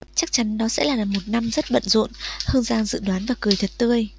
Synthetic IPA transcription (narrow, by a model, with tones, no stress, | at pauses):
t͡ɕa˦˥k̚t͡ɕa˨˦nɗɔ˨˦sɛ̰˧˥laː˨˩laː˨˩mo˨˩t̚na˧mzə˦˥t̚ɓə̰˧˨nzṵ˧˨nhɨ˧əŋzaː˧ŋzɨ̰˧˨ɗwaː˨˦nvaː˨˩kɨ˨˩əjt̪ʰə˨˩t̚t̪ɨ˧əj